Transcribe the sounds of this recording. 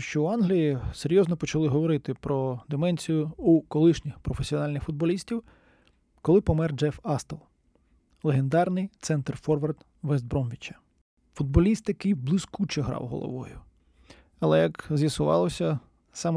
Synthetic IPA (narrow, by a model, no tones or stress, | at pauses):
ʃt͡ʃɔuɑnɦlʲijiseɾʲjɔznɔpɔt͡ʃɐlˠɪɦɔʋɔɾɪt̪ɪpɾɔd̪emɛnʲsʲijʊukɔlˠɪʃnʲɪxpɾɔfesʲiɔnɑlʲnɪxfʊd̪̚bɔlʲisʲtʲiw | kɔlˠɪpɔmɛrd͡ʒɛfɑst̪ɐlˠ | lˠeɦend̪ɑrnɪjt̪sɛnt̪rfɔrʋɐrt̪ | ʋɛzd̪̚bɾɔmʋʲit͡ʃɐ̥ | fʊd̪̚bɔlʲist̪jɐkɪjblˠɪskut͡ʃɛɦɾɑ̰wɦɔ̰lˠɔ̰ʋɔ̰jʊ | ɐlˠɛjɐkzʲjɐsʊʋɑ̰lˠɔsʲɐ | sɑm